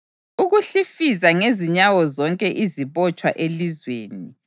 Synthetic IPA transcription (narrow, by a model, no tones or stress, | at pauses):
uɣuɬifizaŋeziɲawɔzɔŋkʼɛʔiziβɔt͡ʃʼwa̰ʔelizweːni